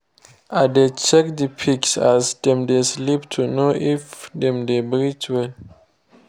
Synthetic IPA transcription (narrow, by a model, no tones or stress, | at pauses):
ʔadet͡ʃɛk̚dipʰiksasdɛ̃mdesliptʰunoʔifdɛ̃mdebɾit͡ʃwɛl